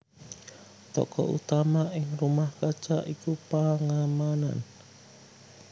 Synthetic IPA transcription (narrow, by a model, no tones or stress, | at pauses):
t̪ɔ̰kɔ̰ʔṵt̪amaʔɪŋrumahkḁt͡ʃaʔikupaŋamana̰n